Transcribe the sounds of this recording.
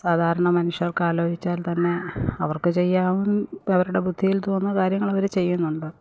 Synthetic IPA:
saːd̪ʱaːɾɐɳɐmɐnuʂjɐrkaːloːd͡ʑit͡ɕːaːlt̪ɐnːe̞ɐʋɐrkɨt͡ɕe̞jːaːʋumɐʋɐɾuɽe̞bud̪ʱːijilt̪o̞ːnːɐkaːɾjɐŋːɐɭɐʋɐɾut͡ɕe̞jːunːuɳɖɨ

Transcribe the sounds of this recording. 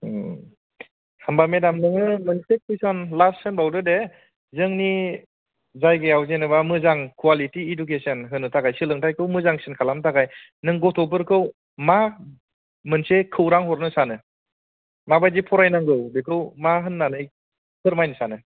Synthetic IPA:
hambamedamnɯŋɯmɯnsekʰijsɔnlassɯnbawdɯde | zɯŋni | zajɡeawzenɯβamɯzaŋkʰualitiːdukesɯnɦɯnɯtʰaɡajsɯlɯŋtʰajkʰɯwmɯzaŋsɯnkʰalamtʰaɡaj | nɯŋɡɔtʰɔbɯɾkʰɯw | ma | mɯnsekʰɯwɾaŋɦɔɾnɯsanɯ | mabajzipʰɔɾajnaŋɡɯwbekʰɯwmaɦɯnːanɯj | kʰɯɾmajnɯsanɯ

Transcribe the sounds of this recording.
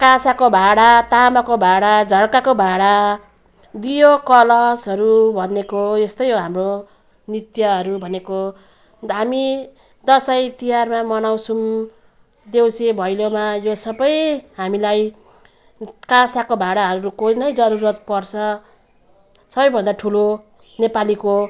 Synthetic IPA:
kãsakobʱaɽat̪amakobʱaɽad͡zʱʌɽkakobʱaɽa | d̪ijokʌlʌd͡zɦʌɾubʱʌnekoest̪ʌjɦoɦamro | nit̪jʌɦʌɾubʱʌneko | ɦami | d̪ʌsajt̪ijarmamʌnawsʰum | d̪ewsebʱʌjlomajosʌbʌjɦamilaj | kasakobʱaɽaɦʌɾuukojnʌjd͡zʌɾuɾʌt̪̚pʌrt͡sʰʌ | sʌbʌjbʱʌnd̪aʈʰulo | nepaliko

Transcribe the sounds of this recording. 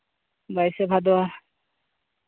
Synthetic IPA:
bajsebʱad̪o

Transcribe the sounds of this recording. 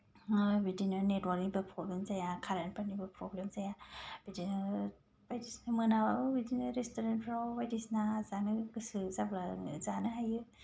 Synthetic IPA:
bidinɯnetwaɾiŋbɯpʰɾoblemzajakʰaɾanpʰanibɯpʰɾɔblemzajabidinɯ | bajdisnamɯnababidinɯɾestoɾenpʰɾabajtisnazanɯɡɯsɯzablazanɯɦajɯ

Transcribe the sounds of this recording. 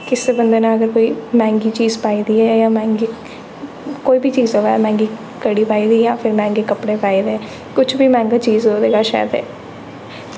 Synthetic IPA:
kɪseːbənd̪eːnãːəɡəɾkoːiːmɛ̃ːŋɡiːt͡ʃiːzpaːiːd̪iːɛːjãːmɛ̃ːŋɡiː | koːiːbiːt͡ʃiːzɦoːaɛmɛ̃ːŋɡiː | kəɽiːpaːiːd̪iːjãːpʰɪɾmɛ̃ːŋɡeːkəpɽeːpaːiːd̪eː | kʊt͡ʃʰbiːmɛ̃ːŋɡaːt͡ʃiːzɦoːd̪eːɡaːʃa̰ːd̪ḛː

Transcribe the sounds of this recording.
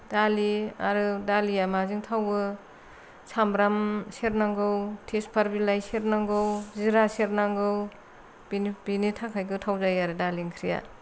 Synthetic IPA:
daliaɾɯdalijamaziŋtʰawbɯ | sʰambɾamseɾnaŋɡɯwtʰespʰaɾbilajseɾnaŋɡɯwziɾaseɾnaŋɡɯw | binbinitʰakʰajɡɯtʰawzajaɾɯdaliŋkʰɾija̰

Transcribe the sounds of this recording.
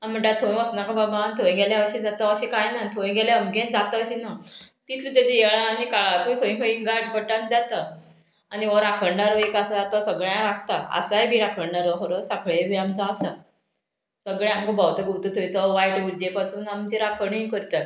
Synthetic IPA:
am̤əɳʈat̪ʰoĩəsnakababãnt̪ʰoj̃ɡeljaəɕĩd͡zat̪aəɕikajnat̪ʰõɡeleəmɡẽnd͡zat̪əːɕinat̪it̪ʰlut̪̬jat͡ɕejeɭãanikaɭakojkʰəĩkʰəĩŋɡaʈbəʈãnd͡zat̪ə | aniʋəɾakʰəɳɖaɾəekasad͡zat̪əsəɡɭjãɾakt̪aə̰sajbʱiːɾakʰəɳɖaɾəɦəɾəsakʰɭebʱiamt͡saːsa | səɡɭẽamkəbawt̪əɡut̪ət̪ʰojt̪əʋajʈʋiɾd͡ʑepasuːnamt͡ɕeɾakʰəɳĩkəɾt̪ə

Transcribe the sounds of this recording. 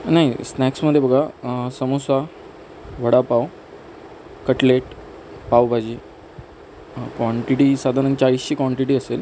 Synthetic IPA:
naɦisnɛksməd̪ʱːjebəɡʱasəmusa | ʋ̤ʱəɽapaw | kəʈleʈ | pawbʱad͡ʑiː | kʋaɳʈiʈiːsad̪ʱaɾənt͡ɕaisɕiːkʋaɳʈiʈiːəsel

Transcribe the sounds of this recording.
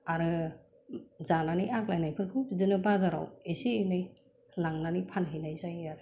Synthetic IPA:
aɾɯ | zananijaklajnajpʰɯnkʰɯbizɯnɯbazaɾa̰wesiːnɯj | laŋnanipʰanɦejnajzajaɾɯ

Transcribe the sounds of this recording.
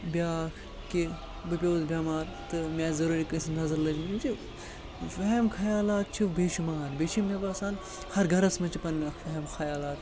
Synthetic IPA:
bʲjaːkʰ | ki | bɨpʲoːzbʲaːmaːɾt̪ɨmʲɛːzɐɾuːɾikɨsnɐzɐɾlɐd͡ʒmit͡ʃi | feɦmkʰɐjaːlaːt̪̚t͡ʃʰiʋbeːʃimaːnbeʃimːebaːsaːn | hɐɾɡʱɐɾɐsmɐt͡ʃʰipɐnfɐɦɐmxʰɐjaːlaːt̪

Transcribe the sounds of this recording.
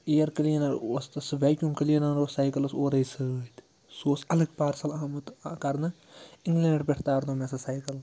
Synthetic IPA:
eːjɐɾkɐliɐnɐɾost̪ɐsɨʋaːkʲjumkəlijɐnɐnɾossajkɐlɐsoːɾɐjsɨt̪ʲ | soːsɐlɐɡpaːɾsɐlaːmɨt̪kɐɾnɨ | iŋɡlẽːɳɖbʲeʈʰt̪aːɾd̪oːmesɐsajkɐl

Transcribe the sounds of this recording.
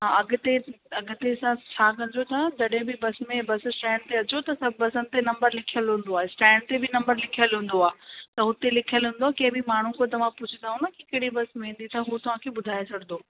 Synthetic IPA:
ɦãɐɡt̪e | ɐɡʊt̪esãt͡ɕʰaːkɐ̃ɲd͡ʑot̪ʰɐd͡ʑɐɗɦɪ̃bɪbɐsmẽbɐssʈɛ̃ːɳɖt̪eɐt͡ɕot̪ɐsɐbɐsənɪ̆t̪enɐ̃mbəɾlɪkʰijəlɦũn̆d̪oaːɦesʈɛ̃ːɳɖ̚t̪ebɪnɐ̃mbəɾlɪkʰijəlɦũn̆d̪oaːt̪ɐɦʊt̪elɪkʰijəlɦũːnd̪oaːkɐ̃ɦɪ̃bɪmaːɳ̤ũkot̪̬ɐʋãpʊd͡ʑʰʱɪt̪aːɦũnɐkikɐɪɽibɐsmẽĩːn̆d̪it̪ʰɐɦut̪ɐʋ̤ãkʰeːbʊd̪ʱaːet͡ɕʰɐɡɪnd̪oː

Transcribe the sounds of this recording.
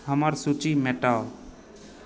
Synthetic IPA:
ɦəməɾsut͡ʃimeʈa

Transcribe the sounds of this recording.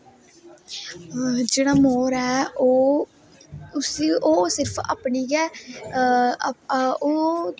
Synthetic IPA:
d͡ʒeːɽ̃aːmoːɾɛːoː | ʊsiʔoːsɪɾpʰa̰ːpɳiːɡɛː | o

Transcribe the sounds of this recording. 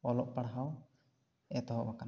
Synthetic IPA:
ɔlɔʔpaɽɦaw | ɛt̪ɔɦɔ̰ʔbakan

